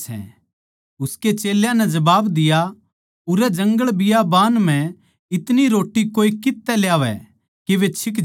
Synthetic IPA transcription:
sɛ̰̃ | ʊsket͡ʃeːljãnɛd͡ʒɐbaːbd̪ɪja | ʊɾɛd͡ʒɐ̃ŋɡəɭbɪjabaːnm̤ɛ̃ | ɪt̪niɾoːʈːikoːikɪt̪ːɛljaːʋɛ̰ | keʋet͡ʃʰɪk

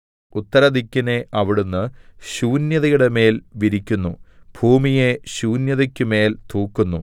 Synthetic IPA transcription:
ut̪ːɐɾɐd̪ikʲːine̞ʔɐʋiɽunːɨɕuːnjɐðɐjuɽe̞me̞ːlʋiɾikʲːunːubʱuːmije̞ɕuːnjɐðɐkʲːɨme̞ːlt̪uːkːunːu

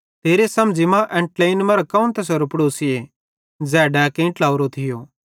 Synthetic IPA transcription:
t̪ʰeːɾesɐmd͡ʒimãʔɛ̃ɳʈlaːɪnmɐɾokɐʊ̃nt̪ɛsɐɾupɽoːsɪe | d͡zɛːɖakẽʈlaːʊɾot̪ʰɪjoː

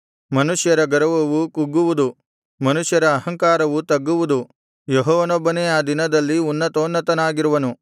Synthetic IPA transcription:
mɐnuʂjɐɾɐɡɐɾɐʋɐʋukuɡːuʋud̪u | mɐnuʂjɐɾɐːɦɐŋkaːɾɐʋut̪ɐɡːuʋud̪u | jeɦɔːʋɐnɔbːɐnɛjaːd̪inɐd̪ɐlːiunːɐt̪oːnːɐt̪ɐnaːɡiɾuʋɐnu

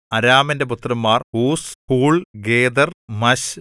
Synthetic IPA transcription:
ɐɾaːmɐnde̞put̪ːrɐmːaːrhuːshuːɭɡeːd̪ɐrmɐɕ

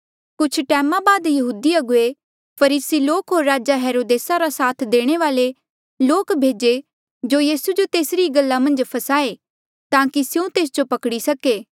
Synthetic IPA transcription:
kʊt͡ʃʰʈɛːmãbaːd̪jɐɦuːd̪iɐɡʊe | pʰɐɾiːsiloːkɦoːɾːaːd͡ʒaɦeːɾoːd̪eːsaɾasaːt̪ʰd̪eːɽ̃eʋaːle | loːkbʱeːd͡ʒe | d͡ʒoːjiːsud͡ʒot̪eːsɾiɡɐlːamɐ̃nd͡ʒpʰɐsaːe | t̪ãːkisjũt̪eːs̬d͡ʒopɐkɽisɐkeː

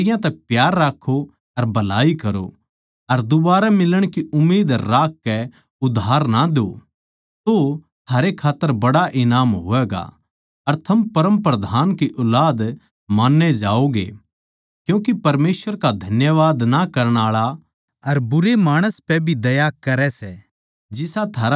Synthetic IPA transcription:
ɪjãt̪ɛpjaːɾːaːkʰːo | ɐɾbɐlaːikɐɾo̰ | ɐɾd̪ʊbaːɾamɪləɽ̃kiʔʊmːeːd̪ɾːaːkːɛ | ʊd̪ʱaːɾnad̪o̰ | t̪o | t̪ʰaːɾekʰaːt̪ːəɾbɐɽaʔɪnaːmɦo̰ːɛːɡa̰ | ɐɾt̪ʰɐmpɐɾə̃mpɾɐd̪ʱaːnkiʔʊlaːd̪ | maːnːed͡ʒaːoɡḛ | kjũːkipɐɾmeːsʋəɾkad̪ʱɐnjəʋaːd̪nakɐɾəɽ̃aːɭa | ɐɾbʊɾemaːɽ̃əspɛbʱid̪ɐjakɐɾɛsɛ | d͡ʒɪsat̪ʰaːɾ

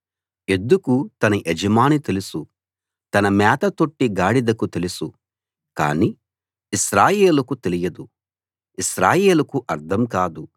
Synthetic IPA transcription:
e̞nd̪ukut̪ɐnɐʔed͡ʒɐmaːnit̪e̞lusu | t̪ɐnɐmɛːt̪ɐt̪o̞ʈːiɡaːɽid̪ɐkut̪e̞lusu | ka̰ːniː | isɾaːje̞ːlukut̪e̞lijɐd̪u | isɾaːje̞ːlukuʔɐɾd̪ʰɐmkaːd̪u

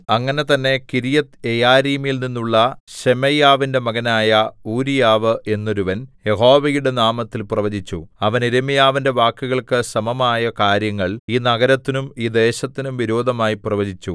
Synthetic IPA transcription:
ɐŋːɐne̞t̪ɐnːe̞kiɾijɐt̪ejaːɾiːmilninːuɭːɐɕemɐjaːʋinde̞mɐɣɐnaːjɐuːɾijaːʋɨʔe̞nːo̞ɾuʋɐnje̞ɦo̞ːʋɐjuɽe̞naːmɐt̪ːilprɐʋɐd͡ʑit͡ɕːuɐʋɐniɾemijaːʋinde̞ʋaːkːuɣɐɭkɨsɐmɐmaːjɐkaːɾjɐŋːɐɭiːnɐɣɐɾɐt̪ːinumiːd̪e̞ːɕɐt̪ːinumʋiɾo̞ːd̪ʱɐmaːjiprɐʋɐd͡ʑʱit͡ɕːu

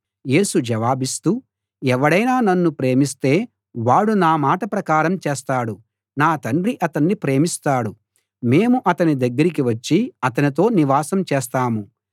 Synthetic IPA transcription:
je̞ːsud͡ʒɐʋaːbist̪uː | ɛʋɐɽɐjnaːnɐnːupɾe̞ːmist̪e̞ː | ʋaːɽunaːmaːʈɐpɾɐkaːɾɐmt͡ʃeːst̪aːɽu | naːt̪ɐɳɖriʔɐt̪ɐnːipɾe̞ːmist̪aːɽu | me̞ːmuʔɐt̪ɐnid̪ɐɡːɐɾik̬iʋɐt͡ʃːiɐt̪ɐnit̪̬o̞ːniʋaːsɐmt͡ʃeːst̪aːmu

